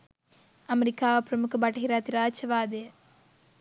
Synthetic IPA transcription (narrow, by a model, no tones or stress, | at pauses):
ɐmɐɾɪkːaːʋɐpɾɐmukːɐbaʈːɐɦiɾaːt̪iɾaːt͡ʃɐʋaːd̪e